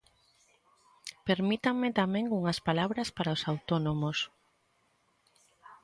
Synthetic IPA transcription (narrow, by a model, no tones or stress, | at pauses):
peɾmit̪aŋmɪt̪amẽŋuŋɐspalaβɾɐspaɾaosawt̪onomos